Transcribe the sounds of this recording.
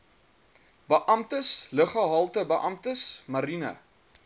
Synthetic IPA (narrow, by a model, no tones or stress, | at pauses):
bəʔɐmtəsləχɐɦɐlˠtəbəʔɐmtəsmɐɾinɐ̰